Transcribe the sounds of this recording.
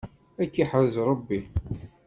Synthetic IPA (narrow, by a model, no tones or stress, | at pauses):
ækːiħəwzɾˤəbːi